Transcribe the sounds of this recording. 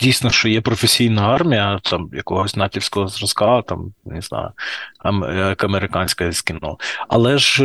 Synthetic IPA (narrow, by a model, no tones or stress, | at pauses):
dʲijsnɔʃt͡ʃɔjɛpɾɔfesʲijnɐɑrmʲijɐt̪ʰɑmjɐkɔɦɔsʲnɑtʲiwsʲkɔɦɔzrɔzkɑt̪ɑ̰mnɪznɑ̰jʊ̰ɐmɛkɐmeɾɪkɑnʲsʲkɐsʲkʲɪnɔ̰ɐ̰lˠɛʒ